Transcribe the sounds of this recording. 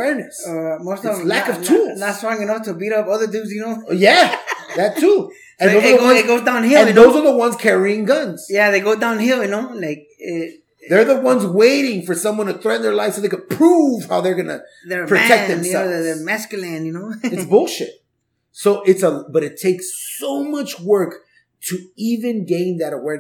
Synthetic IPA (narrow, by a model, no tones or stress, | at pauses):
wɛɹnɨsaɪmoʊstʌvlækʌv̥ʰulˠznətsɔɪ̃ŋɨnʌftʰəbiɾʌpʌðə˞dʉzjɨnoʊjæðætʰu | ɨ̃nooʌ̃eɪɡoʊdãʊ̃nhiɨ̃ðoʊzə˞ðəwʌ̃nz̥kʰɛɹiɪ̃ŋɡʌ̃nz̥jæðeɪɡoʊdãʊ̃nhilˠjɨnoʊlaɪk̚ɪ | ðə˞ðəwʌ̃nzweɪɾɪ̃ŋfə˞sʌ̃mwʌ̃ntʰɨθɹɛʔn̩ðə˞laɪv̥soðeɪkɨpʰɹ̥uv̥haʊðə˞ɡʌnɨ̰ | ðə˞pɹ̥ɨtʰɛk̚ðɨ̃msɛððə˞mæskjəlæ̃njɨnoʊɨsbʊlˠʃɪ̰t̚ | soʊʔɪtsəb̥ʌɾɨtʰeɪksoʊmʌt͡ʃwɜ˞k | tʰɨivɨ̃nɡẽɪ̃nðɨɾəwɛɹ